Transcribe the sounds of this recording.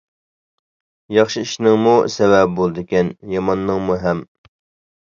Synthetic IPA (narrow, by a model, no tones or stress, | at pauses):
jɑχʃiiʃnɪŋmusɛwɛp̚bolˠd̪ɨkʲɛnjɑmɑnːɨŋmuɦɛm